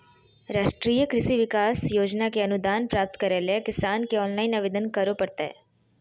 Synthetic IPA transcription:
ɾaːʃʈɾiːjəkɾɪsiʋɪkaːsjoːd͡ʒnakeənud̪aːnpɾaːp̚t̪kəɾelekɪsaːnkeɔːnlaːɪnaʋeːd̪ənkəɾopəɾt̪aɦḛ

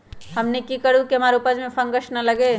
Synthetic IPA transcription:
hɐmnekikəɽukeɦɐmaːɾʊpəd͡ʒmẽfʰɐ̃ŋɡəʃnɐlɐɡe

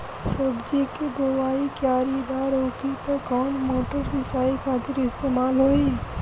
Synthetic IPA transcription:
sɐbd͡ʒikebowaːikjaːɾid̪aːɾoːkit̪ɐkɔːnmoːʈəɾsɐt͡ʃaːikʰaːt̪ɪɾɪst̪eːmaːlɦoːiː

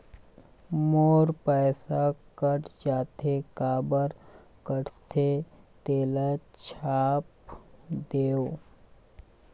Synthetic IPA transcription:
moːɾpɛːsakəʈd͡ʒaːt̪ʰekaːbəɾ | kəʈt̪ʰet̪eːlet͡ʃʰaːpd̪eːoː

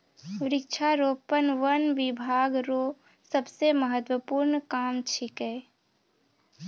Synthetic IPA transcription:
ɾɪkt͡ʃʰaɾoːpənʋənʋɪbʱaːɡɾo | səbseməɦət̪wəpuɾnkaːmt͡ʃʰike

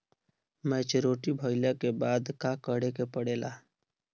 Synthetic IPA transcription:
mɛ̃ːt͡ʃɾoːʈibʱoɪljakebaːd̪kakəɽekepəɽeːlʔaː

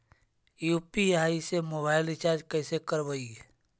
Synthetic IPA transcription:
juːpiɦaisemobaːɪlɪt͡ʃaːɾd͡ʒkəːsekəɾbəi

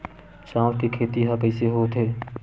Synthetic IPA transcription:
sãːwkekʰeːt̪iɦapəɪseɦot̪ʰɦeː

